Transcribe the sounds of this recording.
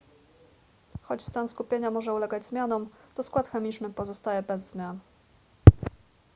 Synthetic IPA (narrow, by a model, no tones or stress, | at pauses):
xɔt͡ɕst̪anskupʲjeɲamɔʐɛulɛɡad͡ʑzmʲjanɔmt̪ɔskwat̪xɛmʲit͡ʂnɘpɔzɔst̪ajɛbɛzːmʲjan